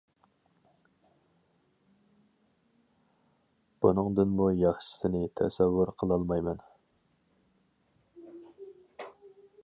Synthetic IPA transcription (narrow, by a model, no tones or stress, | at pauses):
b̥unɨŋd̪ɨnmujɑχʃɪ̥sɪnɪt̪ʰɛ̰sɛvːʊɾqʰəlˠɑlˠmɑjmɛn